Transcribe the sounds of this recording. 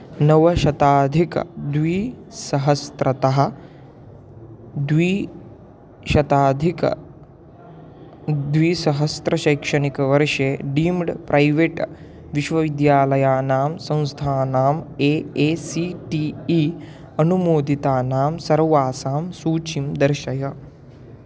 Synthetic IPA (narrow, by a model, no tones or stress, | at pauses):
nɐʋɐʃɐt̪aːd̪ʱikɐ̰d̪ʋiː | sɐɦɐst̪ɾɐt̪ɐɦɐ̆ | d̪ʋiː | ʃɐt̪aːd̪ʱikɐ̰ | d̪ʋiːsɐɦɐst̪ɾɐʃɐjkʂɐnikɐʋɐɾʂeːɖiːmɖpɾʔɐjʋeʈ | ʋiʃʋɐʋid̪jaːlɐjaːnaːmsɐ̃w̃st̪ʰaːnaːmeːeːsiʈiːiː | ɐnumoːd̪it̪aːnaːmsɐɾʋaːsaːmsuːt͡ʃimd̪ɐɾʃɐjɐ